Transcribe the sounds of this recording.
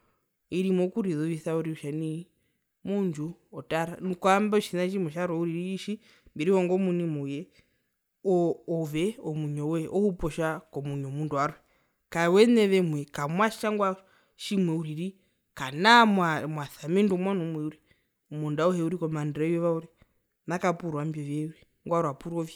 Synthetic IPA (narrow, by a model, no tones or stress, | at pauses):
iɾimɔkuɾiðɔʋiθauɾiuʃani | muɲd͡ʒuɔtaɾanukwambaʃinaʃimwɛʃaɾɛuɾiɾiːʃi | mbiɾihɔŋɡɔmunimɔjɛ | ɔɔʋɛɔmuɲɔwɛʔɔhupɔʃakɔmuɲɔmunduaɾwɛ | kawɛnɛʋɛmwɛkamwaʃʃaŋɡwa | ʃimwɛuɾiɾi | kanamamwaθamindumwanɔmwɛuɾɛ | umundaɔhɛuɾikɔmandɾɛjɔβauɾɛ | nakapuɾwambjɔʋjɛuɾi | ŋɡwaɾwapuɾɔvji